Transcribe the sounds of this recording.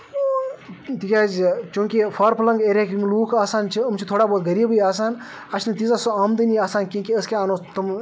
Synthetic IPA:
t̪ikʲaːzʲt͡ʃũːkifʰaːɾpʰɐlɐŋɡeːɾʲeːkmluːkʰaːsaːnt͡ʃʰiɐmt͡ʃʰit̪ʰoːɽaːboːt̪ɡɐɾiːbɨjaːs̬aːn | ɐt͡ʃʰnɨt̪izasoaːmd̪ɨniaːsaːnkʲĩːkiəskʲeaːnoːt̪um

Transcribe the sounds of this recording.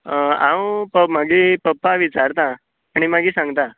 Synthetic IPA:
ã̰wpəmaɡiːpəpːaʋit͡saɾt̪ã | aɽ̃imaɡiːsãŋɡt̪ã

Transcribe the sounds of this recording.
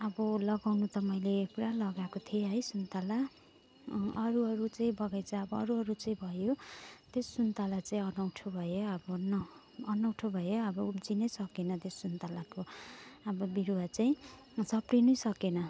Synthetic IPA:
ʌbʌlʌɡawnut̪ʌmʌjlepuɾalʌɡakot̪ʰieɦʌjsunt̪ala | ʌɾuʌɾut͡saĩbʌɡajt͡sʌʌbʌʌ̰ɾuʌɾut͡saĩbʱʌjot̪essunt̪alat͡saĩʌnʌwʈʰobʱʌjoʌbʌnʌː | nʌwʈʰobʱʌjoʌbʌud͡zinʌjsʌkenʌt̪jessunt̪alakoʌbʌbiɾoat͡saĩ | sʌprinʌjsʌkenʌ

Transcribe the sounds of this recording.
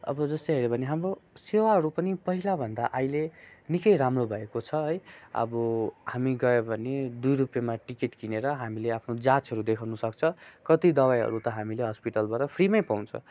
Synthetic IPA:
ʌ̰bʌd͡zʌst̪oɦeɾebʱʌneɦamrosewaɦʌɾupʌnipʌɦilabʱʌnd̪aʔajlenikʌjɾamrobʱʌekot͡sʰʌɦʌjʌ̰bʌhamiɡʌebʱʌned̪ujɾupjamaʈikeʈkineɾʌɦamileapʰnod͡zat͡sʌɾud̪ekʰawnusʌkt͡sʰʌkʌt̪id̪ʌwajɦʌ̰ɾut̪ʌɦamileɦʌspiʈʌlbaɾʌpʰrimʌjpaw̃nt͡sʰʌ̰

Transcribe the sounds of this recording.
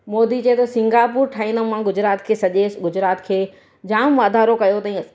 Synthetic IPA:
mɔːd̪it͡ɕɐet̪ʰosɪ̃ŋɡaːp̬uːɾʈʰaːɦĩːnd̪omãɡʊd͡ʑɾaːt̪kʰeːsɐʄeːsɡʊd͡ʑɾaːt̪kʰeː | d͡ʑãːmʋaːd̪ʱaːɾokɐjot̪ɐĩ

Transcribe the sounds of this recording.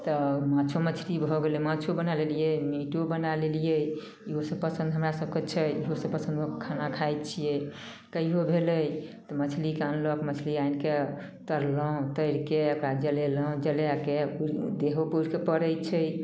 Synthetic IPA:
t̪ɔmãt͡ʃʰomət͡ʃʰɾibʱɔɡelɛmãt͡ʃʰobənalelijemiʈobənalelijə | iɦosəpəsə̃nd̪ɦəmɾasəb̚ket͡ʃʰəiɦosəpəsə̃nd̪kekʰanakʰajt̪̚t͡ʃʰije | kəiɦobʱeləjt̪ɔmət͡ʃʰlikeənlɔkmət͡ʃʰliainke | t̪əɾlɔ̃t̪əɾkeəkɾad͡ʒəlelə̃d͡ʒəljakeuɾd̪eɦopuɾkepəɾət͡ʃʰə

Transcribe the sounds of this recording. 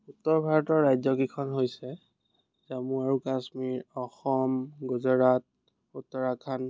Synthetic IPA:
utːɔɹbʱaɹɔtɔɹːajzɔɡikʰɔnɦojsɛ | zamuaɹukasmiɹɔxɔmɡɔzɔɹat̚ | utːɔɹakʰan

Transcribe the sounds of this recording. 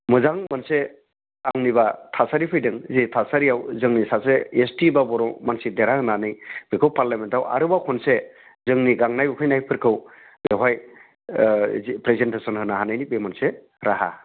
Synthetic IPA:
mɯzaŋmanse | aŋniβatʰasaɾipʰɯjdɯŋzitʰasaɾiawzɯŋnisaseestibabɔɾɔmansideɾahɯnanɯjbikʰɯwpaɾlamentawa̰ɾɯbakʰɔnse | zɯŋniɡaŋnajbɯkʰɯjnajpʰɯɾkʰɯw | beɦaj | pɾezentesɔnhɯnaɦanajnipemɯnse | ɾaɦa̰

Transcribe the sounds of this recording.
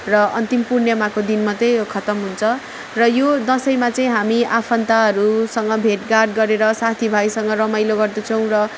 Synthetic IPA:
rʌʌnt̪impurnjʌmakod̪inmat̪ʌjkʰʌt̪ʌmɦunt͡sʰʌ | rʌjod̪ʌsʌjmat͡sʌĩɦamiʔapʰʌnt̪aɦʌɾusʌŋɡʌbʱeʈɡarɖ̚ɡʌɾeɾʌsat̪ʰibʱajsʌŋɡʌɾʌmajloɡʌrd̪ʌt͡sʰʌw̃rʌ

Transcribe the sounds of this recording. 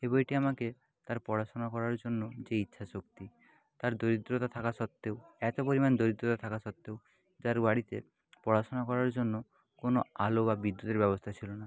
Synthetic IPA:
ebɔjʈiamake | t̪aɾpɔɽasɔnakɔɾaɾd͡ʒonːod͡ʒeitːʃʰasokt̪i | t̪aɾd̪oɾid̪ɾot̪at̪ʰakasɔt̪ːewɛt̪opoɾimand̪oɾid̪ɾot̪at̪ʰakasɔt̪ːew | d͡ʒaɾbaɽit̪ḛ | pɔɽasɔnakɔɾaɾd͡ʒonːo | konoalobabid̪ːut̪eɾbɛbost̪ʰat͡ʃʰilona

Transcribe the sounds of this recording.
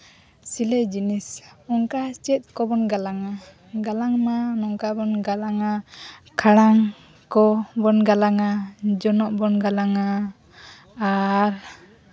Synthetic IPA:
silɛd͡ʒinisɔŋkat͡ʃɛt̪̚kɔbɔnɡalaŋa | ɡalaŋmanɔŋkabɔnɡalaŋakʰaɽaŋ | kɔbɔnɡalaŋad͡ʒɔnɔʔbɔnɡalaŋa | ɾ

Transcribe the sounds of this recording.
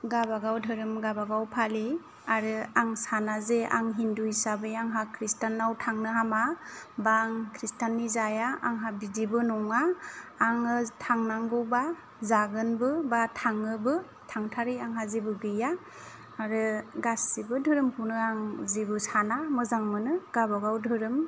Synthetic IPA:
ɡabaɡawdʱɯɾɯmɡabaɡawpʰali | aɾɯaŋsanazeʔa̰ŋɦindujsabɯjaŋɦakʰɾistanːawtʰaŋnɯɦamabaŋkʰɾistanːizajaʔaŋɦabidibɯnɔŋaː | ŋɯtʰaŋnaŋɡɯwba | zaɡɯnbɯbatʰaŋɯbɯ | tʰaŋtʰaɾijaŋɦazibɯɡɯjaː | ɾɯɡasːibɯdʱɯɾɯmkʰunɯaŋzibɯsanamɯzaŋmɯnɯɡ̥abaɡawdʱɯɾɯm

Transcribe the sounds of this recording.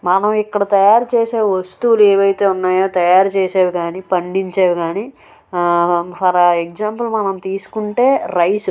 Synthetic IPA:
mɐnɐmikːɐɽɐt̪ɐjaːɾut͡ʃeːseːʋɐst̪uːlueːʋɐjt̪e̞ːunːaːjoːt̪ɐjaːɾut͡ʃɛːsaːwuɡaːniːpɐɳɖiɲt͡ʃaːwiɡaːniː | sɐɾaek̚d͡ʒaːmpulmɐnɐmt̪iːsu̥kuɳʈe̞ːɾɐjsu

